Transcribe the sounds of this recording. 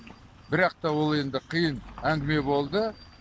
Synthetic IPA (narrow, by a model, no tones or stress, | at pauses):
bɪɾɑq̚t̪ɑwo̞lˠe̞nd̪ɪqʰijənæŋɡʲɪme̞bo̞lˠd̪ə